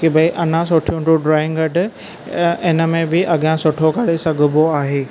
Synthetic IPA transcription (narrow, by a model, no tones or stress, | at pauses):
kibɐiʔɐnãs̬ʊʈʰjũʈuɖɾaːɪ̃ŋɡɐɖɪ̆ | ɪnə̆mẽbɪʔɐɠjãsʊʈʰokɐɽesɐɡʱʊboaːɦeː